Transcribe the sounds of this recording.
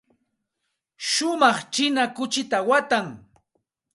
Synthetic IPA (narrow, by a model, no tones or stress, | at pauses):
ʃʊmɑχt͡ʃɪnakʊt͡ʃɪt̪awat̪aŋ